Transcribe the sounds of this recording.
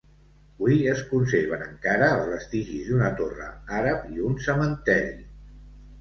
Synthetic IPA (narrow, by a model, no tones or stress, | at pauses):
βuiəskunseɾβ̞ənəŋkaɾəːlˠzβəst̪iʒizd̪unət̪orə̰aɾəpiunsəmənt̪ɛɾi